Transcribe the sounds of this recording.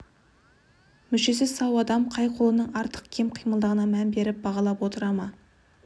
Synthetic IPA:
mʏʃe̞sɪzsɑwɑd̪ɑmqʰɑjqʰo̞lˠənəɴɑɾt̪ə̥qkʲʰe̞mqʰijməlˠd̪əʁənɑmænbe̞ɾɪp̚bɑʁɑlˠɑpwo̞t̪əɾɑmɑ

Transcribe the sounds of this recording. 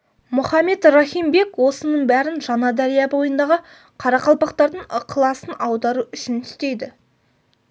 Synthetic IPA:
mʊχɑmːe̞t̪rɑχijmbe̞kwo̞sənəɴbæɾɪnʒɑnɑd̪æɾijɑbo̞jənd̪ɑʁə | qʰɑɾɑqɑlˠpɑqt̪ɑɾd̪əɴqʰlˠɑsənɑwd̪ɑɾuʏʃɪnʰɪ̥st̪e̞jd̪ɪ

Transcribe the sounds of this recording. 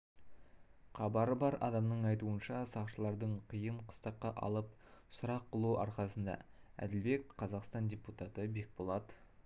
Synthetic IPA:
qʰɑbɑɾəbɑɾʔɑ̰d̪ɑmnəɴɑjt̪uənʃɑsɑqʃəlˠɑɾd̪əɴqʰijəɴqʰə̥st̪ɑqːɑʔɑ̰lˠəp̚ | sʊɾɑqːəlˠuʔɑ̰ɾqɑsənd̪ɑ̰æ̰d̪ɪlbe̞k̚qʰɑzɑqst̪ɑndʲeput̪ɑt̪əbe̞k̚bolˠɑt̪ə

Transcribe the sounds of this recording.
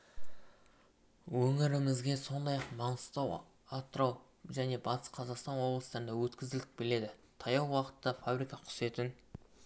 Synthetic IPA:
wɵŋɪɾɪŋɪzɡʲe̞so̞nd̪ɑjɑqmɑɴəst̪ɑw | at̪ːɾɑw | ʒæne̞bɑt̪ʰə̥sqʰɑzɑqst̪ɑnwo̞blˠəst̪ɑɾnd̪ɑwɵt̪kʲɪzɪlt̪ɪ̥k̚bɪle̞d̪ɪt̪ʰɑjɑw̪ˠwɑqə̥t̪ːɑfabɾijkɑqʰʊ̥se̞t̪ɪn

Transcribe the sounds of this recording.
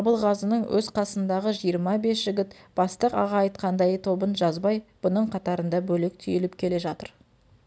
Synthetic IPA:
ɑbəlˠʁɑzənəɴwʔɵzqʰɑsənd̪ɑʁəʒijəɾmɑbe̞sʒ̥ɪɡʲɪt̪b̥ɑst̪əqɑ̰ʁɑːjt̪qʰɑnd̪ɑjət̪ʰo̞bənʒɑzbɑjb̥ʊnəɴqʰɑt̪ɑɾənd̪ɑbɵlek̚t̪ʰʏ̰jɪlɪpkʲʰe̞le̞ʒɑt̪əɾ

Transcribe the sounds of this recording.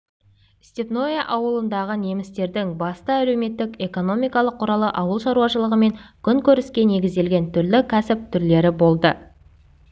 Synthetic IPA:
st̪epnojaʔɑwəlˠənd̪ɑʁəne̞mɪst̪e̞ɾd̪ɪŋbɑst̪ɑæle̞wme̞t̪ːɪke̞ko̞no̞mijkɑlˠəqʰːʊɾɑlˠəʔɑwəlˠʃɑɾuwɑʃəlˠəʁəme̞ŋkʲʰʏŋkʲʰɵɾɪskʲe̞ne̞ɡʲɪzd̪e̞lɡʲe̞nt̪ʰʏɾlɪkʲʰæsɪp̚t̪ʰʏɾle̞ɾɪbo̞lˠd̪ə

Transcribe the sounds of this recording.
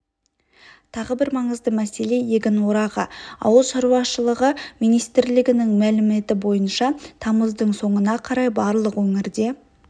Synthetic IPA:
t̪ʰɑʁəbɪɾmɑɴəzd̪əmæse̞le̞je̞ɡʲɪnwo̞ɾɑʁə̰ɑ̰wəlˠʃɑɾuɑʃəlˠəʁəmijnijst̪ɾlɪɡʲɪnɪŋmælɪme̞t̪ɪbo̞jənʃɑt̪ʰɑməzd̪əɴso̞ɴənɑqʰɑɾɑjbɑɾlˠəqwɵŋɪɾd̪e̞

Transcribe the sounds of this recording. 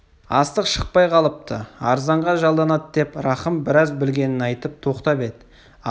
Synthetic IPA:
ɑ̰st̪əqʃəq̚pɑjqʰɑlˠəp̚t̪əɑɾzɑɴʁɑʒɑlˠd̪ɑnɑt̪d̪e̞pɾɑχəmbɪɾɑzbɪlɡʲe̞nɪnɑjt̪əp̚t̪ʰo̞qt̪ɑpe̞d̪ɪ

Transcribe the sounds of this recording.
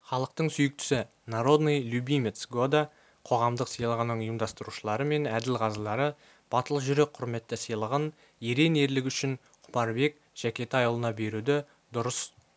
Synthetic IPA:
χɑlˠəq̚t̪əɴsʏjɪk̚t̪ʏ̥sɪ | naɾo̞d̪nejlʲubʲijmʲet̪sɡod̪a | qʰo̞ʁɑmd̪əqsəjlˠəʁənːəɴʊjəmd̪ɑst̪əɾuʃəlˠɑɾəme̞næd̪ɪlʁɑzəlˠɑɾə | b̥ɑt̪əlˠəʒʏɾe̞k̚qʰʊɾme̞t̪ːɪsəjlˠəʁən | eɾe̞ne̞ɾlɪkʲʏʃɪn | qʰʊ̥pɑɾbe̞k | ʒ̥ækʲe̞t̪ɑjlˠənɑbe̞ɾud̪ɪ | d̪ʊɾəs

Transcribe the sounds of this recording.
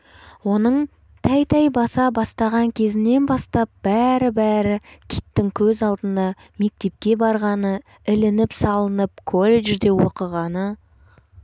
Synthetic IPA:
wo̞nəɴ | t̪ʰæjt̪ʰɑjbɑsɑbɑst̪ɑʁɑŋkʲʰe̞zɪnːe̞nbɑst̪ɑp̚b̥æɾɪbæɾɪkʲʰijt̪ːɪŋkʲʰɵzɑlˠd̪ənd̪ɑ | me̞k̚t̪e̞p̚kʲe̞bɑɾʁɑnə | ɪlɪnɪpsɑlˠənəp̚kʰo̞lʲˠeʒd̪e̞wo̞qəʁɑnə

